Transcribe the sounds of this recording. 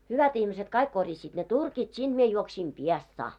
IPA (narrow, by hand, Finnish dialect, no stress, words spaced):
hyʋæt ihmiset kɑik korjɑsiːt ne turkit sind̥ mie juoksiːm piestsɑː